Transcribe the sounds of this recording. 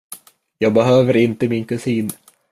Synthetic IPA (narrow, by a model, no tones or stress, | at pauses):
jɑːɡ̚bɛɦøːvəɾɪnt̪əmɪnkɵsiːn